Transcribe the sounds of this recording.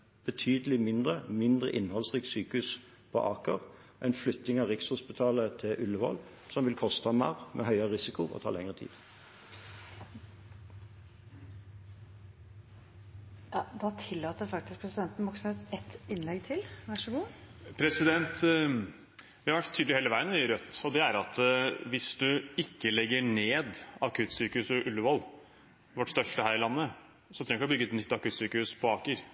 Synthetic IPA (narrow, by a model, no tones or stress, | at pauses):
b̥ət̪ʰyːd̪əlɪmɪnd̪ʁəmɪnd̪ʁəʔɪnːhɔlsʁiːksyːkʉs | pʰɔ̰ʔɑːkəʁ | ʔɛɪnflʏt̪ːɪŋɑʁɪkshʊspɪt̪ʰɑːlət̪ʰɪʔʉlːəʋɔ̰l | sɔmʋɪlkʰɔst̪əɑmɑ̰ʁmʔḛɦœʏəʁəʁɪsɪkʊʔɔ̰t̪ʰɑ̰ːlɛŋəʁət̪ʰḭːd̪̥ | jɑd̪ɑt̪ʰɪlːɑːt̪ːəɾfɑk̚t̪ɪsk̚pʰɾɛsɪd̪ɛnt̪n̩bɔksɛt̪ɛt̪ɪnlɛɡt̪ʰɪlʋæʂəɡuː | pʰɾɛsɪd̪ɛnt̪ | ʋɪhɑɾʋæʈt̪ʰyːd̪ɪheːləʋæɪənʋyɾœt̪ːɔd̪ɛæɾɑt̪ʋɪsd̪ʉɪkːəlɛɡːəɳeːd̪ɑkʰʉt̪syːkəhʉːsəʔʉlːəʋɔl | ʋɔʈst̪œʂʈəhæːɾɪlɑnːə | sɔt̪ʰɾɛŋɡkɔbʏɡəɛt̪nʏt̪ːɑkʉːt̪syːkəhʉːspʰɔɑːkəɾ